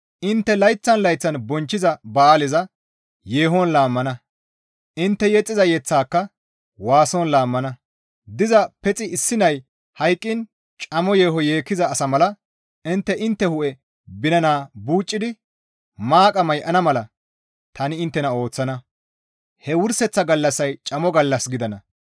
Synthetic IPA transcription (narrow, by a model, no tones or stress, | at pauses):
ʔɪnt̪ːɛlɐjt͡sːɐnlɐjt͡sːɐnbɔnt͡ʃːɪzɐbaaːlɪzɐ | jeːɦɔnlaːmːɐnɐ | ʔɪnt̪ːɛjɛt͡sʼːɪzɐjɛt͡sːaːkːɐ | waːsɔnlaːmːɐnɐ | d̪ɪzɐpɛt͡sʼɪɪsːɪnɐj | hɐjkʼːɪn | t͡ʃʼɐmɔje̞ːɦɔje̞ːkːɪzɐːsɐmɐlɐ | ʔɪnt̪ːɛʔɪnt̪ːɛhʊʔɛ | bɪnɐnaːbuːt͡ʃʼːɪd̪ɪ | maːkʼɐmɐjʔɐnɐmɐlɐ | t̪ɐnɪɪnt̪ːɛnɐo̞ːt͡sːɐnɐ | hɛwʊɾsɛt͡sːɐɡɐlːɐsːɐjt͡ʃʼɐmɔɡɐlːɐsɡɪd̪ɐnɐ